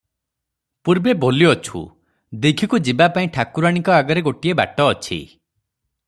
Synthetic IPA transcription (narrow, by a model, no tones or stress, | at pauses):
puɾbeboliɔt͡ʃʰṵ | d̪ekʰikud͡ʒibapaĩʈʰakuɾaɽ̃ikɔaɡɔɾeɡoʈieba̰ʈɔːt͡ʃʰḭ